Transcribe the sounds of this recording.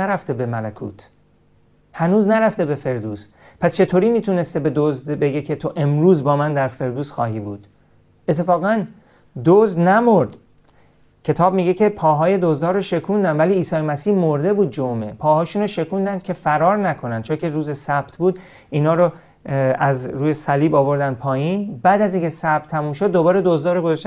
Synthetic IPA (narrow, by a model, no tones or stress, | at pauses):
æɾæft̪ebe̞mælækʰṵːt̪ʰ | hænuːznæɾæft̪ebe̞fe̞ɾd̪uːs | pʰæst͡ʃʰe̞t̪ʰoːɾiːmiːt̪ʰune̞st̪ebe̞d̪ozd̪beɟecʰet̪ʰo̞ʔe̞mɾuːzbɒːmænd̪æɾfe̞ɾd̪uːzxɒːɦiːbuːd̪̥ | et̪ʰːe̞fɒːɣæn | d̪ozd̪næmoɾd̪̥ | cʰe̞t̪ʰɒːbmiːɟe̞cʰe̞pʰɒːɦɒːje̞d̪ozd̪ɒːɾoʃe̞kʰund̪ænd̪væliːsɒːjemæsiːhmoɾd̪e̞buːd̪̚d͡ʒome̞̰pʰɒːhɒːʃuːnɾoːʃe̞kʰund̪ænd̪̥̚cʰe̞fæɾɒːɾnækʰo̞nænd̪̚t͡ʃʰocʰeɾuːzesæb̥t̪ʰbuːd̪ | iːnɒːɾo | æzɾuːjesæliːbɒːvo̞ɾd̪ænd̪̥̚pʰɒːjiːnbæːd̪æziŋcʰe̞sæb̥̚t̪ʰːæmuːmʃo̞d̪ːobɒːɾed̪ozd̪ɒːɾoɡozɒʃt̪